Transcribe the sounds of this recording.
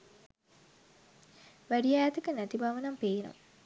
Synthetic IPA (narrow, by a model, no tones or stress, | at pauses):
ʋæɖijajat̪əkənæt̪ibaʋənampeːno̰m